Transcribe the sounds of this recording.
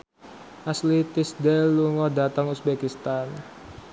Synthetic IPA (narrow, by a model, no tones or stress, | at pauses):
ʔaslit̪isdɛlːuŋɔdat̪aŋusbɛkist̪an